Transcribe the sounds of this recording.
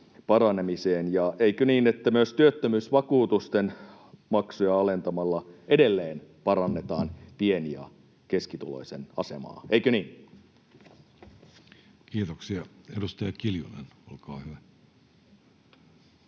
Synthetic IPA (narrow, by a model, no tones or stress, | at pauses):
pɑɾɑnemiseːnjɑʔeikøniːnet̪ːæmyøst̪yøt̪ːømyːsʋɑkuːt̪ust̪en | mɑksujɑɑle̞nt̪ɑmɑlːɑʔe̞delːeːnpɑɾɑnːe̞t̪ɑːnpie̞niɑ̰ | ke̞skit̪ulo̞̰jsenɑ̰se̞̰mɑ̰ːeikøniːn | kiːt̪oksiɑedust̪ɑjɑkiljulenolkɑːhyʋæ